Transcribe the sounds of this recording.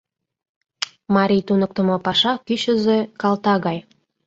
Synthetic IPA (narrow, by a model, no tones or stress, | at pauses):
mɑɾʲijt̪unək̚t̪ə̆mɤpɑʃɑkyɕə̆zekɑlt̪ɑɣɑj